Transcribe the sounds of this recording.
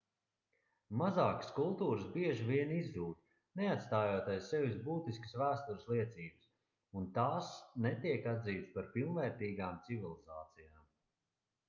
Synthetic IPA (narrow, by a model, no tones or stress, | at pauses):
mazaːkə̥skulˠt̪uːɾɨsbiɛʒivʲiɛnizd̪uːt̪ | nɛat̪st̪aːjoɔt̪ajsːɛvisbuːt̪iskəsvæːst̪uɾɨslˠiɛt̪siːbɨs | unt̪aːsnɛt̪iɛkad̪ziːt̪spaɾpilˠnvɛːɾt̪iːɡaːmt̪sivilˠizaːt̪sijaːm